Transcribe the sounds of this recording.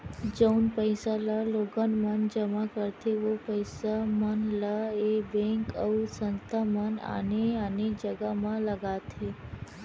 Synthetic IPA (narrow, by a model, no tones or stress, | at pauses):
d͡ʒəwnpəjsalaloɡənmənd͡ʒəmakəɾt̪ʰeʋopəjsamənlaebɛ̃ŋkəusənt̪ʰaməna̰neəned͡ʒəɡamãləɡat̪ʰe